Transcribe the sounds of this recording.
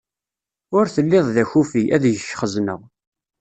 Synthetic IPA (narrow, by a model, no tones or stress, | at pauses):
ʊɾθəlːɪðˤðæçufiʔæðjəʃːχəznə̰ʁ